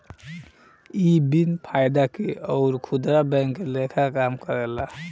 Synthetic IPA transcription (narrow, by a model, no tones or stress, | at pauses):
ibinpʰajd̪akeɔʊɾkʰud̪ɾabɛ̃ŋkːelekʰakamkəɾɛla